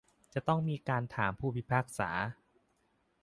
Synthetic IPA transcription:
t͡ɕa˨˩t̪ɔ˥˩ŋmiː˧kaː˧nt̪ʰaː˩˦mpʰuː˥˩pʰi˦˥pʰaː˥˩k̚sa̰ː˩˦

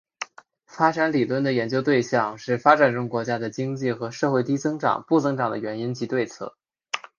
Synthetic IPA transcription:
fa˥ʈ͡ʂa˧˥nli˨˩lwə˥˩nd̪ə˩jɛ˧˥nt͡ɕjo˥ʊt̪we˥˧ɪɕjɑ˥˧ŋʂɻ̩˥˩fa˥ʈ͡ʂa˨˩nʈ͡ʂʊ˥ŋkwɔ˧˥t͡ɕja˥d̪ə˨t͡ɕi˥ŋt͡ɕi˥˩xɤ˧˥ʂɤ˥˧xwe˥˩ɪt̪i˥t͡sɤ˥ŋʈ͡ʂɑ̰˨˩ŋpu˥˩t͡sɤ˥ŋʈ͡ʂɑ˨˩ŋd̪ə˦ɥɛ˧˥ni˥nt͡ɕi˧˥t̪we˥˧ɪt͡sʰɤ̰˥˩

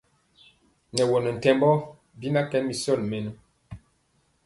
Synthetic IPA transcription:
nɛ˨wɔ˨nɔ˨n̩˨tɛ˦mbɔ˦ | bi˦na˦kɛ˦mi˨sɔ˦˨lmɛ˨nu˦

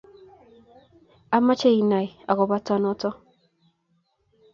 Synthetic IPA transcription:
a˦ma˦t͡ʃe˦i˨na˨ja̰˨kɔ˨ba˦tɔ˦nɔ˦tɔ˦

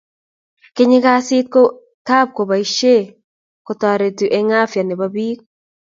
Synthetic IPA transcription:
kɪ˦ɲɪ˦ka˦sɪ˦t̪̚ko˦ | ka˦p̚ko˨ba˨i˦ʃe˦˨ | kɔ˨t̪a˨ɾe˨tu˨ʔe˦ŋa˦fja˨nɛ˨ba˦biː˦k̚

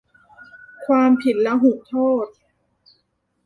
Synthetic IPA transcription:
kʰwaː˧mpʰi˨˩t̪̚lɛ˦˥ɦu˨˩k̚t̪ʰoː˥˩t̪̚

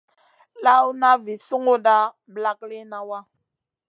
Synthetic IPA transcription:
la˦wna˦vi˨su˦ŋo˦da˦ | bla˦kle˦na˦wa˦

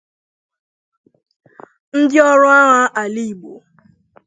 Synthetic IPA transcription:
n̩˦dɪ˦ɔ˦ɾʊ˦a˦ŋa˦ʔa˨li˦i˨ɡ͡bo̰˨

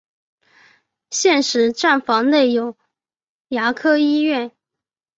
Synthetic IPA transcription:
ɕjɛ˥˩nʂɻ̩˧˥ʈ͡ʂa˥˩nfɑ˧˥ŋne˥˩ɪjo˨˩ʊ | ja˧˥kʰɤ˥i˥ɥɛ˥˩n

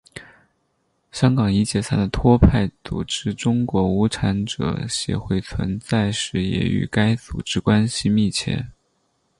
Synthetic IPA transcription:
ɕjɑ˥ŋkɑ˨˩ŋi˧˥t͡ɕjɛ˨˩sa˥nd̪ə˨˩t̪ʰwɔ˥pʰa˥˩ɪt͡sṵ˨˩ʈ͡ʂɻ̩˥ʈ͡ʂʊ˥ŋkwɔ˧˥u˧˥ʈ͡ʂʰa˧˥nʈ͡ʂɤ̰˨˩ɕjɛ̰˧˥xwe˥˩ɪt͡sʰwə̰˧˥nt͡sa˥˩ɪʂɻ̩˥˩jɛ̰˧˥y̰˨˩ka˥ɪt͡sṵ˨˩ʈ͡ʂɻ̩˥kwa˥nɕi˨mi˥˩t͡ɕʰjɛ̰˥˩

